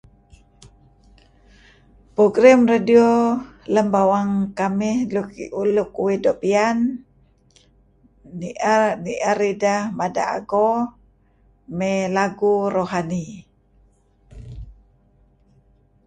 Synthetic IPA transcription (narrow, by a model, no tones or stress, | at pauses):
poɡɾamradioləmbawaŋkamihlukulukuwidoʔpian | iʔaniʔaɾidahmada̰a̰ɡo | mɛlaɡuɾoɦani